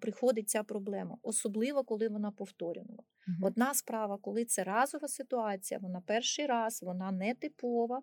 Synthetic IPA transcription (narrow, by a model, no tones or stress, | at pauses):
pɾɪxɔd̪ɪt̚ʲt͡sʲapɾɔblˠɛmɐ̰ɔsɔblˠɪʋɐkɔlˠɪʋɔnɑpɔwt̪ɔɾʲɪnʊlˠɐ | ɔd̪nɑspɾɑʋɐkɔlˠɪt̪sɛɾɑzɔʋɐsɪt̪ʊɑt͡sʲijɐ̰ʋɔnɑpɛrʃɪjɾɑzʋɔnɑnɛt̪ɪpɔʋɐ